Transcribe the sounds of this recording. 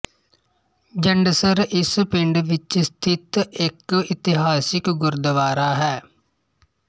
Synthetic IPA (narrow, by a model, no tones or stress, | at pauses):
d͡ʒəɳɖsəɾɪspɪɳɖʋɪt͡ʃst̪ʰɪt̪ɪkɪt̪ɪɦaːsɪkɡʊɾd̪əʋaːɾaːɦɛː